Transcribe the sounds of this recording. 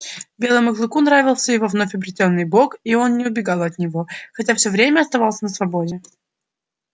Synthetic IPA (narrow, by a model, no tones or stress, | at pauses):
bʲe̞lˠəjməklˠɨkunɾavʲɪlˠsʲəjɪvovno̞fʲɐbɾʲɪtʲo̞nːɨjbokio̞nnʲɪʊbʲɪɡɑlˠɐt̪nʲɪvo̞xɐtʲafsʲovɾʲemʲəɐst̪ɐvɑlˠsʲənəsvɐbo̞dʲɪ